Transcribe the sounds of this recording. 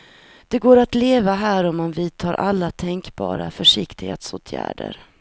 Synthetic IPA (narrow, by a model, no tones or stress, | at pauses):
d̪̥ɛɡoːɾat̪leːvaɦæːɾɔmːanviːt̪ʰɑːɾʔalːat̪ʰɛŋkbɑ̰ːɾa̰fœʂɪkt̪ɪhḛːt̪soːt̪ʰjæ̰ːɖə̰ɾ